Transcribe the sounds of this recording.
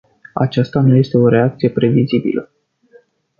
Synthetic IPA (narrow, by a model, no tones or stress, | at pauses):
a̰t͡ʃast̪anuje̞st̪e̞o̞ɾe̞ak̚t̪sije̞pɾe̞vizibḭlə